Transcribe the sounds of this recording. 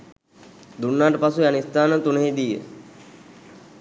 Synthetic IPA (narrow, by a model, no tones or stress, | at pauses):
d̪unːaːʈəpasuanist̪aːnət̪unəɦeːd̪ijə̰